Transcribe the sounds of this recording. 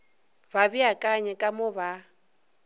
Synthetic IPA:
baβiakʼaɲɛkʼamʊβa

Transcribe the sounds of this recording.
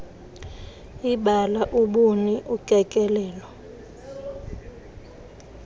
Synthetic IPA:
iɓalaʔuɓuniʔukʼɛkʼɛlɛːlɔ

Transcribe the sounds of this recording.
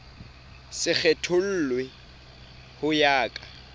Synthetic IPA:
sɪk͡xɛtʰʊl̩ːlwɪ | hʊjaːkʼa

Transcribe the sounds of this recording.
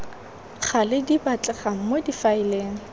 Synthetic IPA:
χʰalɪdibat͡ɬʼɛχaŋ̩modifaɪleːŋ̩

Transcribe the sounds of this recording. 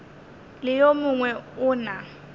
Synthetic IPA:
lɪjomʊŋwɛʊːna

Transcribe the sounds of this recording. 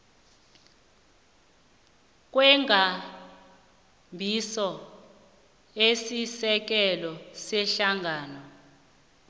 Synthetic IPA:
k̬wɛŋɡʱa | mbʱisɔ | esisɛk̬ɛlɔsɛɬaŋʱaːnɔ

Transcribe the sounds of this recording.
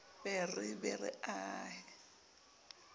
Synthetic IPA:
bɛrɪbɛrɪ̰aːhɪ

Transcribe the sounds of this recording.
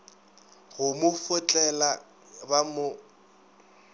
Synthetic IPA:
ɣʊmʊfʊt͡ɬʼɛla | bamʊ

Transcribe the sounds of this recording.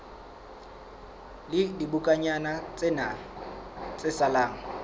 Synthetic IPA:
lɪdibʊkʼaɲanat͡sʼɪna | t͡sʼɪsalaːŋ̩

